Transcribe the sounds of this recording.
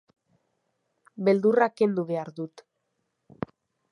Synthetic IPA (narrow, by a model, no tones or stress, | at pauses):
be̞ld̪urake̞nd̪uβe̞aɾðut̪